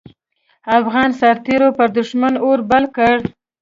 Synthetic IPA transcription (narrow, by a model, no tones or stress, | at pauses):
afɣɑnsaɾt̪eɾopəɾd̪ʊʃmanoɾbalkəɽ